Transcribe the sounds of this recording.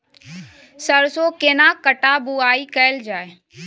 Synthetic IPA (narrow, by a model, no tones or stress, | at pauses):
sɐɾsokeːnakɐʈabuaːikɐɪld͡ʒaːe